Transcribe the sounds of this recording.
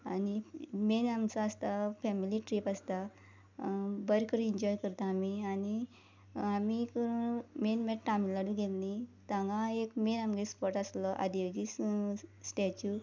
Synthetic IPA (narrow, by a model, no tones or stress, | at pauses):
animenamt͡saːst̪afɛmiliʈɾipast̪a | bəɾkəɾiɲd͡ʑɔjkəɾt̪aːmiani | amikəɾumenmɛʈʈamilaɽuɡelnit̪ãŋɡaekmenamɡespɔɾʈaslɔʔa̰d̪id͡ʑissʈɛt͡ɕu